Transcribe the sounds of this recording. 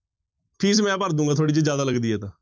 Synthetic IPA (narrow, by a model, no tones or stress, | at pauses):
pʰiːs̬mɛ̃ːpəɾd̪ũːŋɡaːt̪ʰoaːɽiːd͡ʒed͡ʒjaːd̪aːləɡd̪iːɦɛːt̪ãː